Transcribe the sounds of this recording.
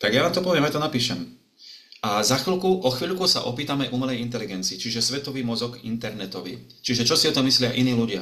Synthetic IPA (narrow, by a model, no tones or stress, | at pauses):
t̪aɡjaʋaːmt̪ɔpɔʋɪɛmjat̪ɔnapiːʃɛm | ʔazaxlkuʔɔxʋiːʎkusa̰ʔɔpiːt̪amɛʔumɛlɛjint̪ɛliɡɛnt͡siːt͡ʃiʒɛsʋɛt̪ɔʋiːmɔzɔɡḭnt̪ɛɾnɛt̪ɔʋḭ | t͡ʃiʒɛt͡ʃɔsiɔt̪ɔmːislɪaʔiniːluɟɪa̰